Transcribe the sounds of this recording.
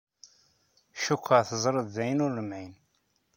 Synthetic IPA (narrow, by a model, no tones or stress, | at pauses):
ʃukʰʷːəʁθəzˤɾˤəðːæjnʊrːəmʕin